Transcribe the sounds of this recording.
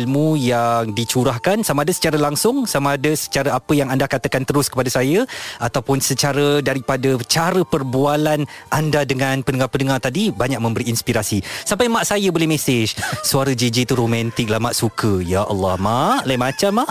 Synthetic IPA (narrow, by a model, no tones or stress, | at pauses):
lmujaŋdit͡ʃuɾahkansamaːdəsə̥t͡ʃaɾəlaŋsʊŋsamaːdəsə̥t͡ʃaɾəapəjaŋandakat̪əkant̪əɾʊskə̥padasajəʔat̪awpʊnsət͡ʃaɾədaɾipadət͡ʃaɾəpərbualanʔandadəŋanpənəŋarpənəŋart̪adibaɲak̚mə̃mbəɾiːnspiɾasisampajmaʔsajəbolɛhmɛ̃sɪd͡ʒsuaɾəd͡ʒed͡ʒit̪uɾomãnt̪ɪk̚lahmaʔsukʰəjaʔɑ̰lːɑhmaʔlajmãt͡ʃamaʔ